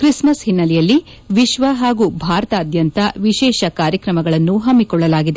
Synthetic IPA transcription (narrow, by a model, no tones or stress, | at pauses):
kɾismɐsɦinːɐlɛjɐlːi | ʋiʃʋɐɦaːɡuːbʱaːɾɐt̪ɐːd̪ʱjɐnt̪ɐʋiʃɛːʃɐkaːɾjɐkɾɐmɐɡɐɭɐnːuɦɐmːikɔɭːɐlaːɡid̪e